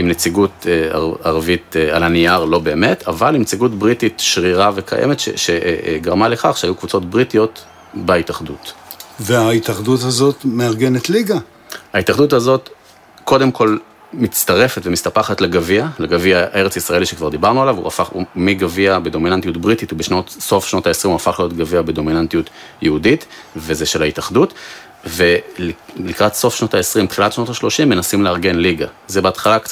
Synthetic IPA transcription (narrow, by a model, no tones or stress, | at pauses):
imnet͡siɡuta̰aʁavitea̰laniaʁlo̞be̞ːme̞tʰavalimnet͡siɡutbʁititʃʁiʁave̞kʰa̰jʔḛmetʃḛʃeɡaʁmale̞kaχʃeajukvut͡so̞tbʁitijo̞t | baitaχdutveaitaχduthazo̞tmeaʁɡenetliɡa | haitaχduthazo̞t | ko̞demkʰo̞l | mitt͡st̪aʁe̞fetvemistapaχatleɡavialeɡaviae̞ʁet͡sisʁae̞liʃekvaʁd̪ibaʁnualavṵafaχṵmiɡaviabedo̞minantijutbʁitithubeʃno̞tso̞fʃno̞taesʁimuafaχlijo̞tɡaviabedo̞minantijutjeuditve̞zeʃe̞lhaitaχdut | ve̞llikʁatso̞fʃno̞taesʁimtχilatʃno̞taʃlo̞ʃimːe̞nasimleaʁɡe̞nliɡazebeat̪χalak